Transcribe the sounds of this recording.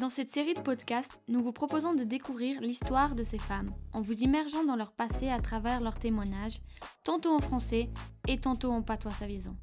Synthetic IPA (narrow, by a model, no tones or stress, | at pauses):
d̪ɑ̃sɛt̪seʁid̪əpɔd̪kast̪nuvupχɔpozɔ̃d̪əd̪ekuvʁiʁlist̪waʁd̪əsefamɑ̃vuzimɛʁʒɑ̃d̪ɑ̃lœʁpaseat̪χavɛʁlœʁt̪emwaɲaʒt̪ɑ̃t̪oɑ̃fχɑ̃sɛet̪ɑ̃t̪oɑ̃pat̪wasavizɔ̰̃